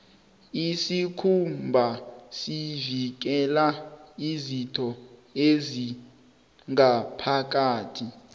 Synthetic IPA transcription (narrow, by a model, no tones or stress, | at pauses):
isikʰumbʱasivik̬ɛlaizitʰɔezi | ŋapʰak̬aːtʰi